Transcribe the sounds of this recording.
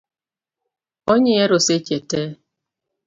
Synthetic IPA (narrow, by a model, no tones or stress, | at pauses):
oɲeeɾʊset͡ʃetɛ